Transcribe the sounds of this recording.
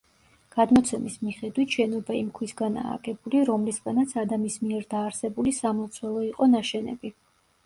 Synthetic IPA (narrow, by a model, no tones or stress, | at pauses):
ɡ̥ad̪mɔt̪sʰɛmismiχɛd̪wit̪ʃɛnɔbaimkʰwisɡana̰ːɡʼɛbuliɾɔmlisɡanat̪sʰad̪amismiɛɾd̪aːɾsɛbulisamɔt̪sʰwɛlˠɔiqʼɔnaʃɛnɛ̰bi